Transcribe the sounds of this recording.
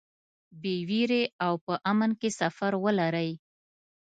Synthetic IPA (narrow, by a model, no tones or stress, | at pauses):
bewiɾeawpəʔamənkesafaɾwəlaɾəj